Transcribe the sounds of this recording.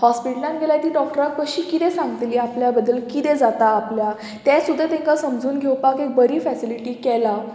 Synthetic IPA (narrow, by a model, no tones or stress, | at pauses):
hɔspiʈəlãnɡʱelat̪iːɖɔk̚ʈəɾakkəɕiːkit̪ɛsãŋɡət̪liːapljabəd̪ːəlkit̪ɛd͡zat̪aːplja | t̪ɛ̃sud̪ʱːat̪ẽŋkasəmd͡zuːnɡʱewpakek̚bəɾiːfɛsiliʈiːkɛla